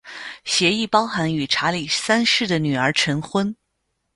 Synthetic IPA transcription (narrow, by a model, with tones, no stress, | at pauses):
ɕjɛ˧˥i˥˩pɑ˥ʊxa˧˥ny˨˩ʈ͡ʂʰa˧˥li˨˩sa˥nʂɻ̩˥˩d̪ə˩ny˨˩ə˞˧˥ʈ͡ʂʰə˧˥ŋxwə˥n